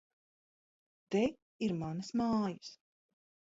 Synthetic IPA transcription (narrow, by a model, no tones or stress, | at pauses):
t̪ɛ | iɾmanɨsmaːjɨs